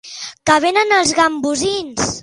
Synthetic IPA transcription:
kəβ̞enənəlˠzɣambuzins

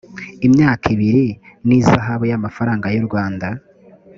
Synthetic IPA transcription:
imɲaːkʰiβiɾi | nizaɦaβujamafaɾaːŋɡajuɾɡwaːnda

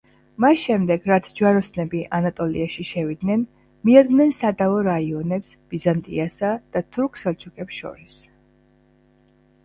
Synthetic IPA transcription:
masʃɛmd̪ɛɡɾat̪sʰd͡ʒuaɾɔsnɛbiʔanat̪ʼɔlḭaʃiʃɛvid̪nɛn | miad̪ɡmnɛnsad̪aɔɾaiɔnɛpsb̥izant̪ʼḭasad̪̥at̪ʰuɾkʰsɛlt͡ʃʰukʼɛpsʃɔ̰ɾis

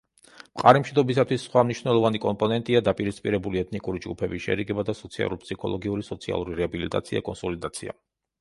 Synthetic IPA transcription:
mqʼa̰ɾimʃid̪ɔbis̬at̪ʰwisːχwamniʃwnɛlˠɔvanikʼɔmpʼɔnɛnt̪ʼiad̪apʼiɾispʼiɾɛbuliɛt̪ʰnikʼuɾid͡ʒɡupʰɛbiʃɛ̰ɾiɡɛbad̪asɔt̪sʰia̰lɾuɾpʰsikʰɔlˠɔɡiuɾisɔt̪sʰia̰lˠuɾiɾɛabilit̪ʼa̰t̪sʰia̰kʼɔnsɔlid̪at̪sʰia̰

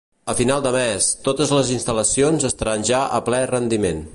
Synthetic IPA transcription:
əfinalˠd̪əmɛst̪ot̪əzləzinst̪ələsionzəst̪ɾanʲʒaʔə̰plɛrənd̪imen

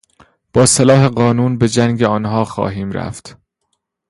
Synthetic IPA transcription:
b̥ɒːselɒːɦe̞ɢɒːnuːnbe̞d͡ʒæŋɡeɒːnɦɒːxɒ̰ːɦiːmɾæ̰ft̪

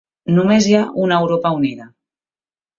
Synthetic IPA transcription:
numezjaunewɾopauniða

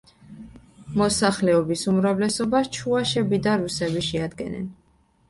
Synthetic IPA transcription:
mɔsaχlɛɔbisumɾavlɛsɔbast͡ʃʰuaʃɛbid̪aɾusɛbiʃɛad̪ɡɛ̰nɛ̰n

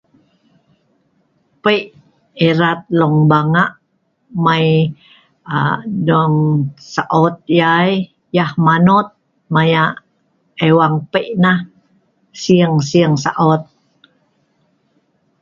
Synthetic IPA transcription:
pəʔ | eɾat̪̚lɔŋbaŋaʔ | maj | adɔŋsaʔɔt̪̚jaj | jahmanɔt̪̚ | majaʔ | ewaŋpəjʔnah | siəŋsiəŋsa̰ʔɔt̪̚

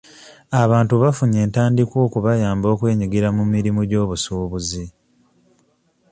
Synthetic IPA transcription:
aβaːntuβafuɲe̞ːntaːndikwo̞ːkuβajaːmbo̞ːkwe̞ːɲiɡiɾamumiɾimuɟo̞ːβusuːβuzi

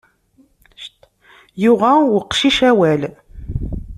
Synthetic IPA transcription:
jʊʁæwəqːʃiʃæwæl

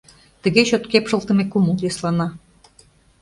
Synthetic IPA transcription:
t̪ə̆ɣeɕøt̪kepʃə̆lˠt̪ə̆mekuməljoslɑnɑ

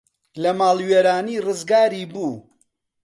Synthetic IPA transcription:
lɐmaːlweːɾaːniːrɨzɡaːɾiːbuː

